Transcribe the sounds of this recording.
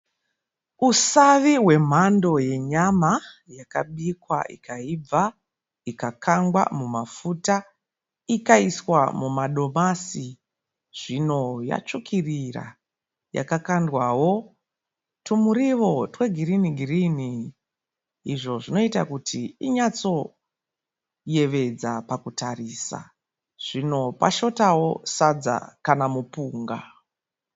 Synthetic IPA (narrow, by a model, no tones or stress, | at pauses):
usaʋiwe̞m̤ando̞je̞ɲamajaka̰ɓikwa̰ʔḭkaib͡va | ikakaŋɡwa̰mumafuta | ikaiswa̰mumaɗo̞masi | ʐ̥ino̞ja̰t͡ʂukʰirira̰ | ja̰kakandwawo̞ | tumuɾiʋo̞twe̞ɡʱiɾiniɡʱirini | iʐo̞ʐino̞itakutʰiiɲat͡so̞ | je̞ʋe̞d͡zapakutariːsa̰ | ʐ̥ino̞pa̰ʃo̞tawo̞sad͡za̰kanamupuːŋɡa̰